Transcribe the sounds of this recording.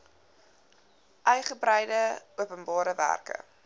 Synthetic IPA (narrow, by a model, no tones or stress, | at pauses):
ʔœɥχəbrɛjdəuəpənbɑːɾəvæ̰rkə̰